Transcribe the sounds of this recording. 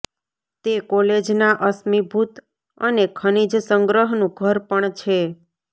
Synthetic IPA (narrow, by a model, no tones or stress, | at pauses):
t̪ekɔled͡ʒnaʔəsmibʱut̪ | ə̰nekʰənid͡ʒsəŋɡɾəɦnũɡʱəɾpəɳt͡ʃʰe